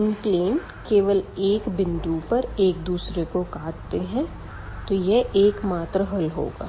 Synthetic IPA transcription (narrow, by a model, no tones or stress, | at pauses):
ɪmpleːnʈkeːʋəleːkbɪ̃nd̪upɐɾeːk̚d̪uːsɾekokaːʈ̚t̪eɦɛ̃ | t̪ojɛʔeːkmaːt̪ɾəɦɐlɦo̰ːɡa̰ː